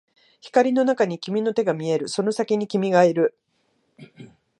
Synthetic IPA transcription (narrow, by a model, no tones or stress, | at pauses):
çi̥kaɾʲino̞nakaɲ̟ikʲimʲino̞t̪e̞ɡamʲie̞ɾɯ̟so̞no̞sakʲiɲ̟ikʲimʲiɡaeɾɯ̟